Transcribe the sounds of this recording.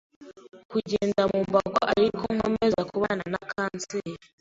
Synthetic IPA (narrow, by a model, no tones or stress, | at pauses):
kuɟeːndamumbaɡo̰ʔaɾikoŋ̥o̰mezakuβananakʰaːnt͡seɾ